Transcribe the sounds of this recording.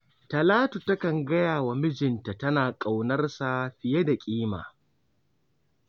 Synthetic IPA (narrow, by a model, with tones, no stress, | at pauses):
tɐ˨laː˦tu˨tɐ˦kɐ˨ŋɡɐ˦jaː˨wa˨mɪ˦d͡ʒɪ˨nta˨tɐ˦naː˨kʼa˨wnɐ˦rsa˨ɸɪ˨je˦da˨kʲʼiː˦ma̰ː˨